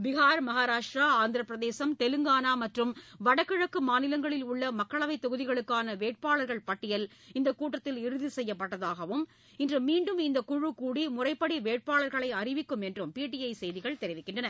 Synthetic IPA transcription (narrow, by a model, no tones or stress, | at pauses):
ʋɪɣaːɾmɐɣaːɾaːʂʈɾaːaːnd̪ɪɾɐpːɾɐðeːsɐmt̪ɛlɯŋɡaːnaːmɐʈrɯmʋɐɽɐkːɪɻɐkːɯmaːnɪlɐŋɡɐɭɪlʊɭːɐmɐkːɐɭɐʋɐɪt̪ːɔɣɯðɪɣɐɭɯkːaːnɐʋeːʈ̚paːɭɐɾɣɐɭpɐʈːɪjɐl | ɪnd̪ɐkːuːʈːɐt̪ːɪlɪɾɯðisɛjːɐpːɐʈːɐðaːɣɐʋɯm | ɪndrɯmiːɳɖɯmɪnd̪ɐkʊɻɯkuːɽimʊrɐɪpːɐɽiʋeːʈ̚paːɭɐɾɣɐɭɐɪɐrɪʋɪkːɯmɛndrɯmpiːʈːiɐɪsɛjðɪɣɐɭt̪ɛɾɪʋɪkːɪɳdrɐnɐɾ